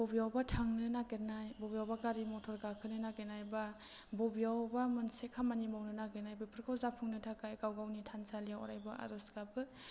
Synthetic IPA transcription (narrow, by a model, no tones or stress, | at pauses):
bɔbijawbatʰaŋnɯnaɡenajbɔbijawbaɡaɾimɔtʰɔɾɡakʰɯnɯnaɡenajba | bɔbijawbamɯnsekʰamanimawnɯnaɡenajbɯpʰɯɾkʰawzapʰuŋnɯtʰakajɡawɡawnitʰansalijawɔ̰ɾajbaʔa̰ɾɔsɡabɯ